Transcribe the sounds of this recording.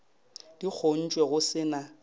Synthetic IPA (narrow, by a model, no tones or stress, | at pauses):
d̥ik͡xʰon̩t͡ʃʼwɛɣʊsɪna